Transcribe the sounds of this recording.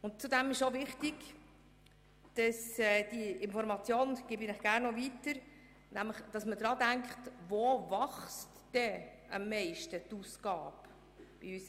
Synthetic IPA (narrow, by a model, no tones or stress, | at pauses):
ʊnt͡sudæmɪʃovɪχtɪɡ̥ | d̥ɑsɛd̥iʔɪnfɔɾmɑt͡sjoːnɡ̥ɪːbinəχɡ̥æɾnɔvitəɾ | næmləχd̥ɑsmədɾɑːdæŋkχtvovɑχstd̥ɛ | ɑmːɛɪʃtətuːsɡ̥ɑːp | b̥iys